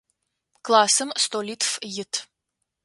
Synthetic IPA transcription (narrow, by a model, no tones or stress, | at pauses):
klˠasɨmst̪olʲit̪fjɪt̪ʰ